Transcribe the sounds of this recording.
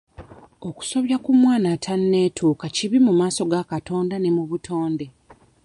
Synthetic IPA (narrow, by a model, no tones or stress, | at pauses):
o̞ku̥so̞βjakumwaːnatʰanːe̞ːtʰuːkaciβimumaːso̞ɡakato̞ːndane̞muβutʰo̞ːnde̞